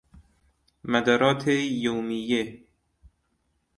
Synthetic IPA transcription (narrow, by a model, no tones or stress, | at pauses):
mæd̪æɾɒːt̪ʰejowmijːe